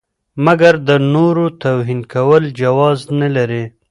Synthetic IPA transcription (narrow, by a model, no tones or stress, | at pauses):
maɡaɾd̪ənoɾot̪awɦinkawəld͡ʒawɑznalaɾe